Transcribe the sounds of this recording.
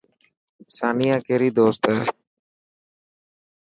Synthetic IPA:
saːnijãːkeːɾiːd̪oːst̪ɦɛː

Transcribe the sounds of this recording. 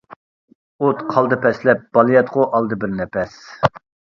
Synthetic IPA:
ot̪qʰɑlˠd̪ɨpʰɛslɛp̚b̥ɑlˠijɑt̪ʁʊʔɑlˠd̪ɨbɪɾnɛpɛs

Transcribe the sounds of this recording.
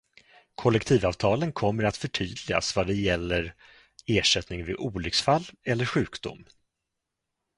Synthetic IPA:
kʰɔlːɛk̚t̪ʰiːvɑːvt̪ʰɑːlənkʰɔmːəɾat̪fœʈʰyːd̪lɪa̰svad̪ɛjɛlːəɾ | eːʂɛt̪nɪŋvɪʔuːlʏksfalːɛlːəɾɧʉ̟ːkd̪ʊ̰mː

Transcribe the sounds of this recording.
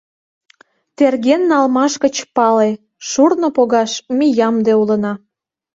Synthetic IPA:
t̪erɣenːɑlmɑʃkət͡ɕpɑle | ʃurnopoɣɑʃmijɑmd̪eulənɑ

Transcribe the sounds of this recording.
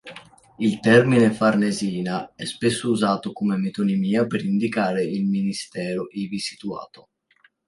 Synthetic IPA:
ilt̪ɛrminefarneziːnaɛspesːouzaːt̪okomemet̪onimiːapeɾind̪ikaːɾeilminist̪ɛːɾoʔivisi̥t̪ua̰ːt̪o

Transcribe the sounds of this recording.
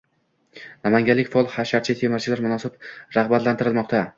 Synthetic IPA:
namaŋɡʲalɪkʲfaɒlˠhaʃaɾt͡ʃʰat̪ʰemaɾt͡ʃʰɪlaɾmʊnɒsɪbɾaʁbat̪lant̪ɪɾɪlmɒqt̪ʰa

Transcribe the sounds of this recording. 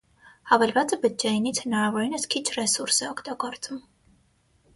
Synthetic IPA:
hɑvɛlvɑt͡səbəd͡ʒɛjinit͡sʰhənɑɾɑvɔɾinəskʰit͡ʃʰrɛsuɾsɛɔkʰt̪ɑɡɔɾt͡sʼum

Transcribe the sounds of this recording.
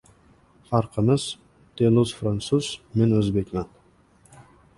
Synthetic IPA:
fɑɾqʰəməz̥ | d̪̥eluzfɾant̪suz̥menɵzbekʲman

